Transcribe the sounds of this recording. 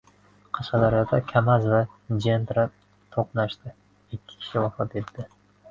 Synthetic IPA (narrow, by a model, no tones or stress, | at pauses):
qʰɑʃqɑd̪aɾjɒd̪akʲʰamazva | d͡ʒend̪ɾa | t̪ʰoqnaʃt̪ɪ | ɪkʲːɪ̥kʲʰɪ̥ʃɪwɑfɒt̪et̪ːɪ